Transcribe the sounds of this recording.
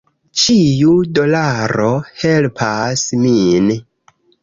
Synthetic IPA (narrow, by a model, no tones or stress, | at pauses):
t͡ʃijudo̞laɾo̞helpʰasmin